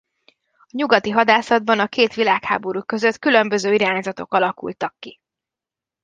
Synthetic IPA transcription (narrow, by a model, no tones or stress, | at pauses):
ɒɲuɡɒt̪iɦɒd̪aːsɒd̪̚bɒnɒkeːt̪ʋilaːkha̰ːbo̞ɾukø̞zø̞t̪kylø̞mbø̞zøːiɾaːɲzɒt̪o̞kɒlɒkṵlt̪ɒkːi